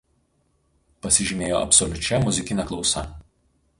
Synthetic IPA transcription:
pɐsʲɪʒʲɪmʲeːjo̰ːʔɐ̰pʲsɔlʲʊt͡ʃʲɛmʊzʲɪkʲɪnʲɛklˠɒʊsɐ̰

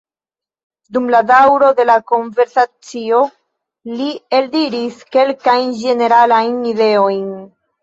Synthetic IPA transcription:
dumladawɾo̞de̞lako̞ɱve̞ɾsat͡sio̞ | lie̞ldiɾiske̞lkajnd͡ʒe̞ne̞ɾalajnide̞o̞jn

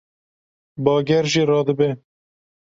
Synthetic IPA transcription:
bɑːɡɛɾʒiːrɑːd̪ɨbɛ

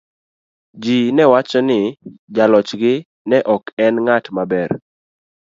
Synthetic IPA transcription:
d͡ʒinɛwat͡ʃɔnɪd͡ʒalɔt͡ʃɡɪ | nɛʔɔkɛnŋatmabɛr

